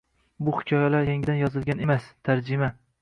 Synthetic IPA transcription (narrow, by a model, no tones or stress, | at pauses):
bʊhɪ̥kʰʲɒjalaɾjeŋɪd̪anjɒzɪlˠɡʲane̞mast̪ʰaɾd͡ʒɪma